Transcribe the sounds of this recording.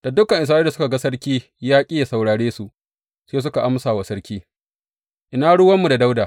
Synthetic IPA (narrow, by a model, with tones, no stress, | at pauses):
d̥a˨dʊ˦kːɐ˨ŋʔɪ˨s̬aː˦da˨sʊ˦ka˨ɡa˦sɐ˦ɽkʲiː˦ | jaː˦kʲʼɪ˦ja˨sa˨wɽaː˨ɽeː˦su˨ | seː˦s̬ʊ˦ka˨ʔa˦msaː˨wa˨sɐ˦ɽkʲiː˦ | ʔɪ˨naː˦ɽʊ˦wɐ˦mːu˨da˨da˦wdaː˨